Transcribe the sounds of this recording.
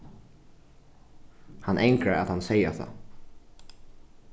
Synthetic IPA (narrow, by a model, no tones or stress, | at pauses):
hanʔejŋkɾaa̰t̪hansɛjaθʰa̰